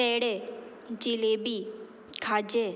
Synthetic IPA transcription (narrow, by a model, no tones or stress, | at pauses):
ɛːɽe | d͡ʒilebi | kʰaːd͡ʒe